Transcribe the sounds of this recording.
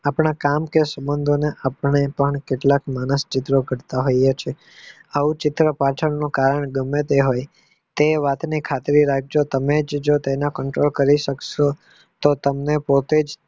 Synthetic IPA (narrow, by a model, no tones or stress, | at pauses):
apɳakamkesəbənd̪ʱoneʔapəɳ̃epəɳkeʈlakmanəst͡ʃɪt̪ɾoɡʱəɾt̪aɦojet͡ʃʰe | əʋũt͡ʃɪt̪ɾəpaʈʰəɳnũkaɾəɳɡəmet̪eɦoj | t̪eʋat̪nikʰat̪ɾiɾak̚d͡ʒot̪əmed͡ʒd͡ʒot̪enakəɳʈɾolkəɾiʃəkʃo | t̪ot̪əmnepot̪ed͡ʒ